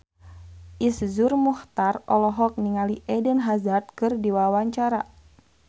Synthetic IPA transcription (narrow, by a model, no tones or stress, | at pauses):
ʔiszurmuht̪arɔlɔɦɔk̚niŋaliʔɛdənɦazart̪̚kɨrdiwawaɲt͡ʃaɾa